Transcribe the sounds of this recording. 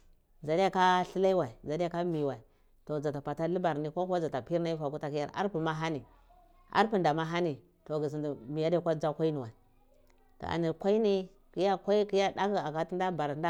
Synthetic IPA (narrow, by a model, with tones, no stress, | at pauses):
za˨di˦ja˦ka˦ɬi˦la˦i˦wa˨i˨za˨di˦a˦ka˦mi˨wa˨i˨ | to˨d͡za˨ta˨pa˨ta˦li˦ba˨ɾni˦kʷo˦kʷa˦d͡za˨ta˨pi˦ɾna˦i˦fa˨ku˦ta˨ki˦ja˦ɾa̰˦ɾpu˨ma˦ɦa˦ni˨ | a̰˦ɾpu˦nda˨ma˦ɦa˦ni˨ | to˨ɡi˨z̬i˨ndi˨mi˨ja˦dkʷa˦d͡za˦kʷa˦i˦ni˨wa˨i˨ | to̰˨ʔa̰˨ni˨ɾkʷa˦i˦ni˦ | ki˦ja˦kʷa˦i˦ki˦ja˦da˦ki˦a˨ka˦ti˦n˦da˦ba˨ɾda˦